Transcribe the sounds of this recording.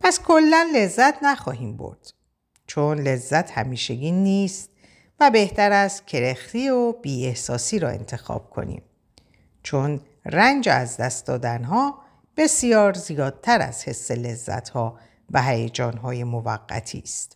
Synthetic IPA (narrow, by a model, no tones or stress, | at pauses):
pʰæskʰo̞lːænle̞zːæt̪ʰnæxɒːɦiːmbo̰ɾd̪̥ | t͡ʃʰonle̞zːæt̪ʰhæmiːʃeɟiːnːiːst̪̚ | væbe̞ht̪æɾæscʰe̞ɾext̪iːobiːe̞hsɒːsiːɾɒːe̞̰nt̪ʰe̞xɒ̰ːb̥̚kʰo̞̰nḭːm | t͡ʃʰo̞n | rænd͡ʒḛæzd̪æst̪̚d̪ɒ̰ːd̪ænɦɒː | b̥e̞sijɒːɾzijɒːd̪̚t̪ʰæɾæ̰zhe̞sːe̞le̞zːæ̰t̪ʰhɒː | væɦæjæd͡ʒɒːnɦɒːje̞mo̞væɡːæ̰t̪ʰḭːst̪